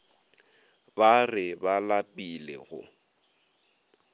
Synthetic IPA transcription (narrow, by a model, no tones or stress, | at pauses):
barɪbalapʼilḛɣʊ̰